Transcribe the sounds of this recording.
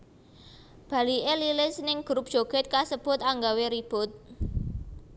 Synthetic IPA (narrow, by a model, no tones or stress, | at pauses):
b̥ä̤liʔelilɪsnɪŋɡ̥ɾup̚ʒ̥oɡ̥ɛ̤t̪̚kasəb̥ʊ̤t̪aŋɡaweɾib̥ʊt̪̚